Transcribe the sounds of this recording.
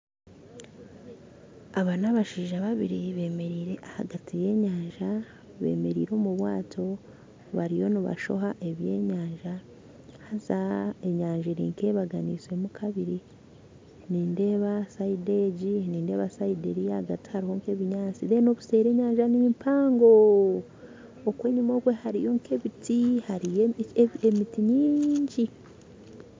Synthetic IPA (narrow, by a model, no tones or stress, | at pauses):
aβanaβaʃiːʒaβaβiɾiβe̞ːme̞ɾiːɾe̞ʔahaɡatʰije̞ːɲaːɲʒa | βe̞̰ːme̞ɾiːɾo̞ːmuβwaːtʰo̞ | βaɾijo̞niβa̰ʃo̞̰ɦaʔe̞βje̞̰ːɲaːɲʒa | hazae̞ɲaːɲʒeɾḭːŋke̞ːβaɡaniːswe̞mukʰaβiɾi | niːnde̞ːβasaide̞ɟiniːnde̞ːβasaideɾiaɡati̥haɾiho̞ŋke̞ːβiɲaːt͡siðe̞no̞βuse̞ːɾe̞ːɲaːɲʒanimimpʰaːŋɡo̞ | okwe̞ːɲimo̞ːkwe̞haɾijo̞ŋkʰeβitihaɾijeemitiɲiːɲɟi